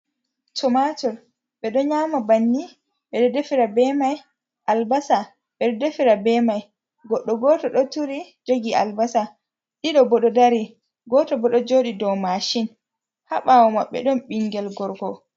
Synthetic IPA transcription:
tɔmatɔɾ | ɓɛɗɔɲaːmabanːi | ɓɛɗɔdefiɾabɛmaj | ʔalbasa | ɓɛɗɔdefiɾabɛmaj | ɡɔɗːɔɡɔtɔɗɔtuɾid͡ʒoɡiʔa̰lbasa | ɗiɗɔbɔɗɔdaɾi | ɡɔtɔbɔɗɔd͡ʒoːɗidɔwmaʃin | haɓawɔmaɓːɛ̰ɗɔnɓiŋɡɛlɡɔɾɡɔ

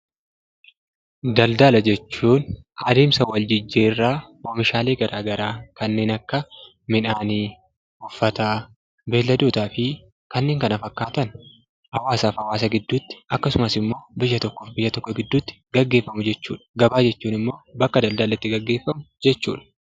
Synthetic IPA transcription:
d̪ɐld̪alɐd͡ʒɛt͡ʃːuːnʔɐd̪e̞ːmsɐwɐld͡ʒɪd͡ʒːeːrːaːoːmɪʃaːleːɡɐɾʔaːɡɐɾaːkɐnːe̞ːnɐkːɐ | mɪnaːni | ʊfːɐt̪aː | be̞ːlːɐd̪uːt̪aːfɪ | kɐnːeːŋkɐnɐfɐkːaːt̪ɐn | ʔɐwaːsaːfɐwaːs̬ɐɡɪd̪ːuːt̪ːɪ̥ʔɐkːɐsʊmɐsɪmːo̞ːbɪjːɐt̪ɔkːɔfbɪjːɐt̪ɔkːɔɡɪd̪ːuːt̪ːɪ̥ɡɐɡːe̞ːfːɐmʊd͡ʒɛt͡ʃːuːᶑɐ̥ɡɐbaːd͡ʒɛt͡ʃːuːnɪmːo̞ːbɐkːɐd̪ɐld̪aːlɪt̪ːɪɡɐɡːe̞ːfːɐmʊd͡ʒɛt͡ʃːṵːᶑɐ̥

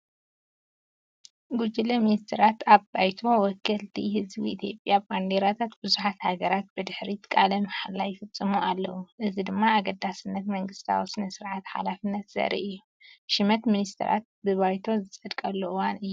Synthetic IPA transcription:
ɡud͡ʒilɐminist̪ʰɨɾat̪aβbajt̪ʰowɔkʰːɐlt̪ʰihɨzbiit̪ʰjo̞pʼjaband̪eɾat̪ʰat̪bɨzuħat̪haɡɐɾat̪̚bɨd̪ɨħɾit̪kʼalɐmaħalːajɪfɨt͡sʼːɨmualːɐwuʔɨzid̪ɨmːaaɡɐd̪ːasɨnːɐt̪mɐŋɡɨst̪ʰa̰wsnɐsɨɾʕat̪ħa̰lafɨnːɐt̪z̥ɐ̰ɾḭʔɨjːu | ʃɪmɐt̪minist̪ʰɨ̰ɾʔa̰t̪̚bɨβajt̪ʰo̞zɨt͡sʼɐd̪kʼɐlːoʔɨwanʔɨjː

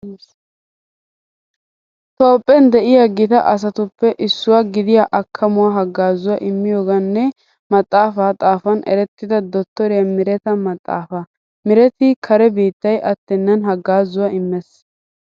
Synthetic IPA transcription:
t̪oːpʼːɛnd̪ɛʔɪjaɡɪt̪ɐʔɐs̬ɐt̪ʊpːɛʔɪsːʊwaɡɪd̪ɪjaʔɐkʰːɐmʊwaɦɐɡːaːzʊwɐʔɪmːɪjoːɡɐnːɛ | mɐt̪ʼːaːfaːt̪ʼaːfɐnʔɛ̰ɾɛt̪ːɪd̪ɐd̪ɔt̪ːɔɾɪjɐmɪɾɛt̪ɐmɐt̪ʼːa̰ːfɐ | mɪɾɛt̪ɪkʰɐɾɛbeːt̪ːɐjʔɐt̪ːɛnːɐnɦɐɡːaːzːʊwɐɪmːɛs

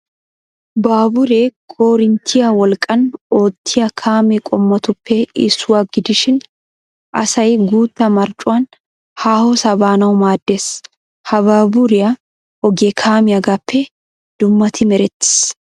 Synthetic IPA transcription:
baːbʊɾeːkʼoːɾɪnt̪ʰɪjɐwɔlkʼɐnoːt̪ʰːɪjɐkʰaːmɪkʼɔmːɐt̪ʊpʰːɛɪsʊɐɡɪd̪ɪʃɪn | ʔɐ̰sɐjɡuːt̪ːɐmɐɾt͡ʃʼʊɐn | haːhɔsɐbaːnɐwʊmaːd̪ːes | hɐbaːbuɾɪjɐ | ɔɡekʰaːmɪɐɡɐpʰːɛ | d̪̥ʊmːɐt̪ʰɪmɛɾɛt̪ːɪ̥s

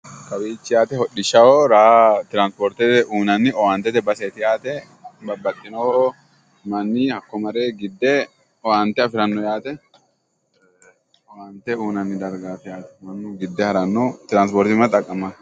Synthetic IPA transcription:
kɐwiːt͡ʃːɪjaːt̪ɛhɔɗɪʃɐoːɾaːt̪ɪɾanspɔɾt̪ɛt̪ɛʔuːnɐnːɪʔɔwaːnt̪ɛt̪ɛbɐseːt̪ɪjaːt̪ɛ | bɐbːɐt̪ːɪno | mɐnːɪhɐkːɔmɐɾeːɡɪd̪ːɛ | ɔwaːnt̪ɛɐfɪɾɐnːɔjaːt̪ɛ | ɔwaːnt̪ɛuːnɐnːɪd̪ɐɾɡaːt̪ɛjaːt̪ɛ̥mɐnːʊɡɪd̪ːɛhɐɾɐnːot̪ɪɾanspɔɾt̪ɪmɐt̪ʼɐkʼːɐmɐ

